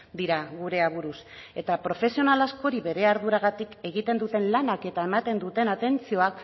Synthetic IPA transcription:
d̪iɾaɣuɾe̞aβuɾuse̞t̪apɾo̞fe̞sio̞nalasko̞ɾiβe̞ɾe̞aɾðuɾaɣ̞at̪ike̞ɣ̞it̪e̞nd̪ut̪e̞nlanake̞t̪ae̞mat̪e̞nd̪ut̪e̞nat̪e̞nt͡sio̞ak

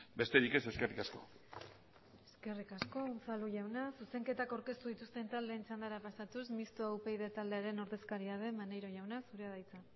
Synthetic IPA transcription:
be̞st̪e̞ɾike̞se̞skerikasko̞̰ | e̞ske̞rikasko̞unt͡saluʝawnasuse̞ŋke̞t̪akawɾke̞st̪uðit̪ust̪e̞nt̪ald̪e̞ːnit͡sand̪aɾapasat̪usmist̪oawpe̞jðet̪ald̪e̞aɾe̞no̞ɾðe̞skaɾiaðe̞manejɾo̞ʝawnasuɾeað̞ajt͡sa

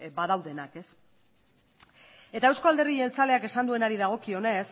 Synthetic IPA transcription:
bað̞awðe̞nake̞s | e̞t̪ae̞wsko̞ald̪e̞riʝe̞lt͡sale̞ake̞sand̪ue̞naɾiðaɣ̞o̞kio̞ne̞s

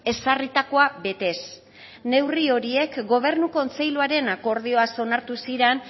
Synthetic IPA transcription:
e̞sarit̪ako̞aβe̞t̪e̞s | ne̞wrio̞ɾie̞kɡo̞β̞e̞ɾnuko̞nt͡se̞jluaɾe̞nako̞ɾð̞io̞aso̞naɾt̪usiɾen

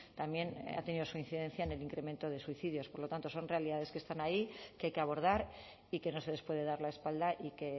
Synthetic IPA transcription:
t̪amje̞na̰t̪eniðo̞suinθiðẽ̞nθjaeneliŋkɾe̞mẽ̞nt̪oð̞e̞swiθið̞jospo̞ɾlot̪ant̪oso̞nre̞aliðaðe̞ske̞st̪anaikeajkeaβo̞ɾð̞aɾ | ike̞no̞se̞ðe̞spwe̞ð̞e̞ðaɾlae̞spald̪aʔike̞

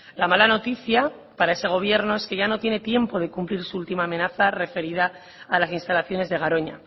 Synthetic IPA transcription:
lamalano̞t̪iθja | paɾae̞se̞ɣ̞o̞β̞je̞ɾno̞e̞ske̞ʝano̞t̪je̞ne̞t̪je̞mpo̞ð̞e̞kumpliɾsuult̪imaːmẽ̞naθare̞fe̞ɾiðaː | lasinst̪alaθjo̞ne̞zðe̞ɣ̞aɾo̞ɲa̰

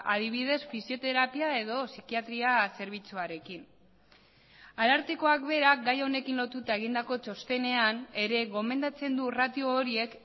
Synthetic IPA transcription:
aðiβ̞ið̞e̞sfisio̞t̪e̞ɾapiae̞ðo̞sikiat̪ɾiase̞ɾβ̞it͡suaɾe̞kin | alaɾt̪iko̞akβe̞ɾaɡajo̞ne̞kinlo̞t̪ut̪ae̞ɣind̪ako̞t͡ʃo̞st̪e̞ne̞ane̞ɾe̞ɣo̞me̞nd̪at͡se̞nd̪urat̪ioːɾie̞k

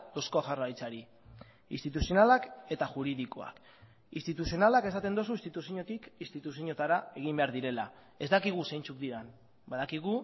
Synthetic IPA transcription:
oskoʝarajt͡saɾi | ḭst̪it̪usio̞nalake̞t̪aʝuɾiðiko̞̰a̰k | ḭnst̪it̪usio̞nalake̞sat̪e̞nd̪o̞suist̪it̪usiɲo̞t̪ikist̪it̪us̬iɲo̞t̪aɾae̞ɣ̞imbe̞aɾðiɾe̞la | e̞zd̪akiɣ̞use̞jnt͡sukd̪iɾan | baðakiɣ̞u

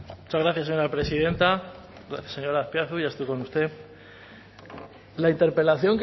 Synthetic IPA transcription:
mut͡ʃazɣɾaθjaseɲo̞ɾapɾe̞siðe̞nt̪a | ɣɾaθjaseɲo̞ɾaspjaθuʝast̪uko̞nust̪e̞ | laint̪e̞ɾpe̞laθjo̞ŋk

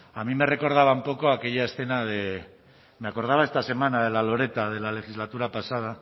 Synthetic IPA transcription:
amime̞re̞ko̞ɾð̞aβ̞aumpo̞ko̞ake̞ʝae̞sθe̞naðe | meako̞ɾð̞aβ̞ae̞st̪ase̞manað̞e̞lalo̞ɾe̞t̪að̞e̞lale̞xizlat̪uɾapasað̞a

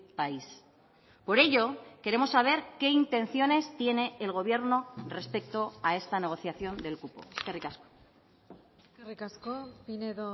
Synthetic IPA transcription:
pais | po̞ɾe̞ʎo̞ke̞ɾe̞mo̞sːaβ̞e̞ɾke̞int̪ẽ̞n̟θjo̞ne̞st̪je̞ne̞ːlɣ̞o̞β̞je̞ɾno̞re̞spe̞k̚t̪o̞ae̞st̪ane̞ɣ̞o̞θjaθjo̞nd̪e̞lkupo̞̰eskerikasko̥ | kerikaskopineðo

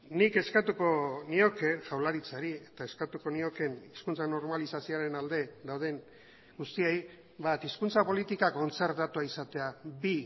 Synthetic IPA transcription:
nike̞skat̪uko̞nio̞ke̞ʝawlaɾit͡saɾiet̪ae̞skat̪uko̞nio̞ke̞niskunt͡sano̞ɾmalisasioaɾe̞nald̪e̞d̪awð̞e̞n | ɡust̪iej | βat̪iskunt͡sapo̞lit̪ikako̞nt͡se̞ɾt̪at̪uaisat̪e̞abi

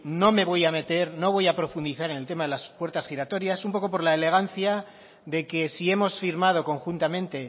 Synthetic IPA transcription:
no̞me̞βo̞jame̞t̪e̞ɾno̞β̞o̞japɾo̞fund̪iθaɾe̞ne̞lt̪e̞maðe̞laspwe̞ɾt̪asxiɾat̪o̞ɾjasumpo̞ko̞p̬o̞ɾlaele̞ɣ̞an̟θja | ðe̞ke̞sie̞mo̞sfiɾmað̞o̞ko̞ŋxunt̪amẽ̞nt̪e̞

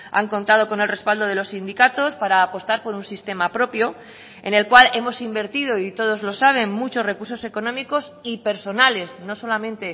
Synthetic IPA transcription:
a̰ŋko̞nt̪að̞o̞ko̞nelre̞spald̪o̞ð̞e̞lo̞sːind̪ikat̪o̞spaɾaːpo̞st̪aɾpo̞ɾunsist̪e̞mapɾo̞pjo̞ | e̞̰ne̞lkwale̞mo̞simbe̞ɾt̪iðo̞it̪o̞ð̞o̞zlo̞saβ̞e̞nmut͡ʃo̞zre̞kuɾso̞se̞ko̞nõ̞miko̞sipe̞ɾso̞nale̞sno̞so̞lamẽ̞nt̪e̞

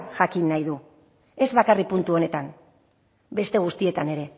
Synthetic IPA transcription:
ʝakinːajðu | e̞zβakaripunt̪uo̞ne̞t̪an | be̞st̪e̞ɣ̞ust̪ie̞t̪ane̞ɾe̞

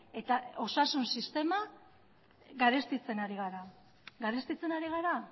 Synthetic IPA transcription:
e̞t̪ao̞sasunsist̪e̞ma | ɡaɾe̞st̪it͡se̞naɾiɣaɾa | ɡaɾest̪it͡se̞naɾiɣ̞aɾa

